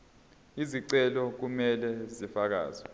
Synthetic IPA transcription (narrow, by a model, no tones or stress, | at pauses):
iziǀɛlɔk̬umɛlɛzifak̬a̰ːzi